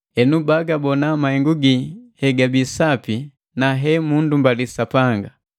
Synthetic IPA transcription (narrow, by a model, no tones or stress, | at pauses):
ɛnubaɡabɔnamahɛŋɡuɡihɛɡabisapi | naɦɛmundumbalisapaŋɡa